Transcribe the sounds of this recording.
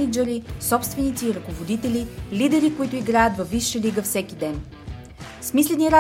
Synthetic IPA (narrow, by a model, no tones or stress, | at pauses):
nid͡ʒɛɾisɔpst̪vɛnit̪siːɾɐkovod̪it̪ɛlilid̪ɛɾikoit̪ʊiɡɾajət̪vɐfvːiʃːəliɡəfsɛkid̪ɛn | smislɛniɾa